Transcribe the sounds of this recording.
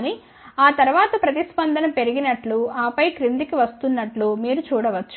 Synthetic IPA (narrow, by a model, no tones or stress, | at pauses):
ni | aːt̪ɐɾuʋaːt̪ɐpɾɐt̪ispɐnd̪ʱɐnɐmpe̞ɾiɡinɐʈluaːpɐjkɾind̪ikiʋɐst̪unːɐʈlumiːɾut͡ʃuːɽɐʋɐt͡ʃːu̥